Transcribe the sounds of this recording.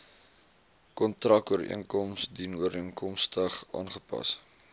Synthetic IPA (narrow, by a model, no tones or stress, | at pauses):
kɔntrɐkuərḭənkɔmsdinuəɾiəŋkɔmstəχɑ̰ːnχəpɐ̰s